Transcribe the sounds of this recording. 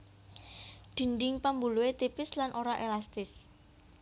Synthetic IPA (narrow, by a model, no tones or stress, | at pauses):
ɖ̪̥i̤nɖɪŋpambuluwet̪ipɪslanʔoɾaʔelast̪ɪs